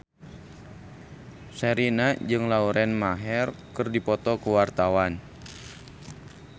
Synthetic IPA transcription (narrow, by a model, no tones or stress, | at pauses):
sɛɾinad͡ʒɨŋlauɾɛnmaɦɛrkɨrdipɔt̪ɔkəwart̪awan